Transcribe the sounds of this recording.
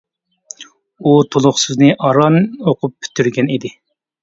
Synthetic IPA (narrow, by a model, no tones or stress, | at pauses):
ut̪ʰolˠʊχsɨznɪʔɑɾɑnoqʊpːʰy̥t̪ʰyɾɡʲɛnid̪ɪ